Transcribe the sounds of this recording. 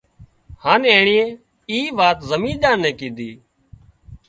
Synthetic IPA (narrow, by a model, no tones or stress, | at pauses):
haːneːɳiːẽː | iːʋaːt̪zəmĩːɗ̪ãːnɛ̃ːkĩːd̪ʱiː